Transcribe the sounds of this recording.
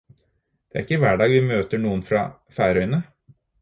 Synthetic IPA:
d̪̥ɛæ̰ɾɪkːəʋæːɖɑːɡʋɪmøːt̪əɳuːənfɾɑ̰ | fæːɾœʏnə

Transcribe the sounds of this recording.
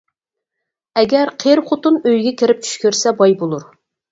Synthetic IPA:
ɛɡʲɛɾqʰeɾχot̪unøjɡʲɛkʲɪɾɪp̚t͡ʃʰy̥ʃkʲyɾsɛbɑjbolˠuɾ

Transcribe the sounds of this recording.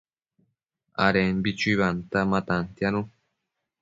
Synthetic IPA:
a̰ɾenbit͡ʃuiβant̪amãt̪ant̪janũ

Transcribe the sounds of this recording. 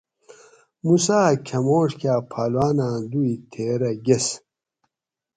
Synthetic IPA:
musaːkʲʰɐmoːʂkaːpʰaːlwaːnãːd̪uit̪ʰeːɾɐɡes

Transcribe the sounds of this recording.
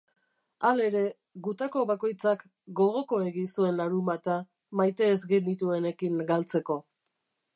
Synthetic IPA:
ale̞ɾe̞ | ɣut̪ako̞βako̞jt͡sak | ɡo̞ɣ̞o̞ko̞e̞ɣinsue̞nlaɾumbat̪a | majt̪e̞ːzɡenit̪ue̞ne̞kiŋɡalt͡se̞ko̞

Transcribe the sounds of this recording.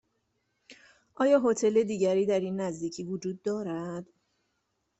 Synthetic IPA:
ʔɒːjɒːɦot̪ʰe̞le̞d̪iːɟæɾiːd̪æɾiːnːæzd̪iːcʰiːvod͡ʒuːd̪ːɒːɾæd̪̥

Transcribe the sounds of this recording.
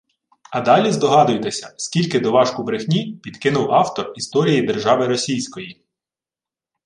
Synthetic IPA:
ɐd̪ɑlʲizd̪ɔɦɑd̪ʊjt̪esʲɐsʲkʲilʲkɪd̪ɔʋɑʃkʊbɾɪxnʲipʲid̪̥kɪnʊwɑwt̪ɔrist̪ɔɾʲijid̪erʒɑʋɪɾɔsʲijsʲkɔji

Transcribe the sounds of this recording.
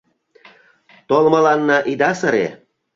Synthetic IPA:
t̪olmɤ̆lɑnːɑʔid̪ɑsə̆ɾḛ

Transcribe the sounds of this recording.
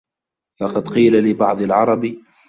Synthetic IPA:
fɑqɑd̪qiːlalɪbɑʕd̪ˤɪlʕɑɾˤɑb

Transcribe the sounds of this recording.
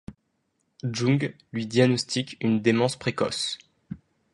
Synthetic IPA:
ʒũɡ | lɥid̪janɔst̪ʰikʲynd̪emɑ̃spχekɔ̰s

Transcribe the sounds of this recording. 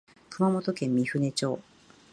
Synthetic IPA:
kɯ̟mamo̞t̪o̞kẽ̞mːʲiɸɯ̟ne̞t͡ɕo̞̰ː

